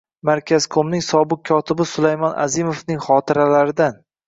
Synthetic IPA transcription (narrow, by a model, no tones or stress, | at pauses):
maɾkʲʰaz̥kʰomnɪŋsɒbɪk̚kʰːɒt̪ʰɪbɪsʊlajmɒna̰zimofnɪŋʲχɒt̪ʰɪɾalaɾɪd̪an